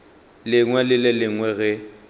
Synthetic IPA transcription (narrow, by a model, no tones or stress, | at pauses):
lɪŋwɛlɪlɪlɪŋwɛɣɛ